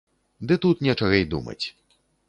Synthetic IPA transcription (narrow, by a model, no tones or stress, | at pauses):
d̪ɨt̪ut̪nʲɛt͡ʂɐɣɐjd̪ṵmɐ̰t͡sʲ